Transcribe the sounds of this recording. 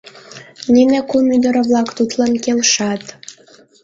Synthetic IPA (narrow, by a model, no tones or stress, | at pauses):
ninekumyd̪əɾəβlɑkt̪ut̪lɑnkelʃɑt̪